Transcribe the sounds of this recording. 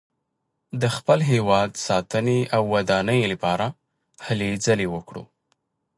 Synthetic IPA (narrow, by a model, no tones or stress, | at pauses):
d̪əxpəlɦewɑd̪sɑt̪əneawːad̪ɑnəjlapɑɾa | həled͡zəlewəkɽṵ